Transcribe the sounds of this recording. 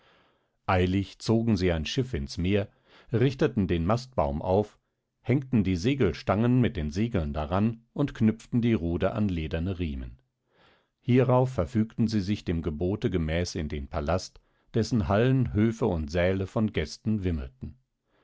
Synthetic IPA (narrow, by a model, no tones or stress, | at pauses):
ʔaɪlɪçt͡soːɡŋ̩ziːaɪnʃɪfɪnsmeːɐ | ʁɪçtətn̩deːnmast̚b̥aʊmʔa̰ʊf | hɛŋktn̩diːzeːɡl̩ʃtaŋənmɪt̚d̥eːnzeːɡl̩ndaʁanʔʊntkʰnʏp͡ftn̩diːʁuːdəʔa̰nleːdɐnəʁiːmə̰n | hiːʁaʊfːɛɐfyːktn̩ziːzɪçd̥eːmɡəboːtəɡəmɛːsɪndeːnpʰalast | d̥ɛsn̩ɦalənɦøːfəʊntz̥ɛːləfɔnɡɛstn̩vɪml̩tn̩